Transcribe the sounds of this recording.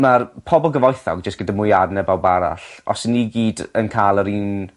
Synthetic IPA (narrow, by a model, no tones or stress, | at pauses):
marpʰɔbɔlˠɡəvɔjθɔ̰ɡd͡ʒəstɡ̥ədamʊjadnɛbawbaɾa̰ɬɔ̰snːiɡiːdənkʰaːlˠəɾiːn